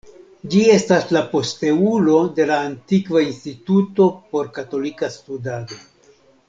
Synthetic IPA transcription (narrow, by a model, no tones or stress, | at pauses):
d͡ʒie̞staslapo̞ste̞ulo̞de̞laːntikvainstituto̞po̞ɾkato̞likastudado̞